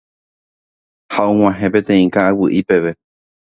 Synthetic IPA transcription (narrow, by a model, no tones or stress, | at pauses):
haʔõŋ̃ãɦẽpẽ̞t̪ẽ̞ĩkaːwɨʔipe̞ʋe̞